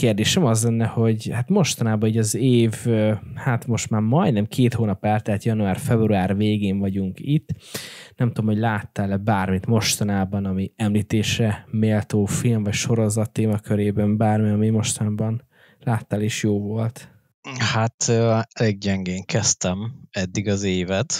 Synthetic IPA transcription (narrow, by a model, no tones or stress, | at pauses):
keːrd̪eːʃɛmɒzlɛnːɛho̞ɟhat̪mo̞ʃt̪ɒnaːbɒiːɟɒzeːvøhat̪mo̞ʃt̪maːrmɒjd̪nɛmkʰeːt̪hoːnɒpɛlt̪ɛt̪jɒnuaːrfɛbruaːrveːɡeːɱvɒɟuŋkit̪ːnɛmt̪ud̪omho̞ɟlaːt̪ːaːlɛbaːrmit̪mo̞ʃt̪ɒnaːbɒnɒmiɛmliːt̪eːʃɛmeːlt̪oːfilmvɒcʃo̞ɾo̞zɒt̪ːeːmɒkʰøɾeːbɛmbaːrmiɒmimo̞ʃt̪ɒnaːbɒn | laːt̪ːaːleːʃjoːvo̞lt̪ | hat̪ːɛleːɡ̚ɟɛŋɡeːŋkɛst̪ɛmɛd̪ːiɡɒzeːvɛt̪